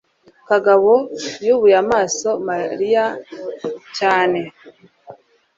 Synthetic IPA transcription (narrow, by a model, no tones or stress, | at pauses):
kaɡaβojuβujamaːso̞maɾija | caːne̞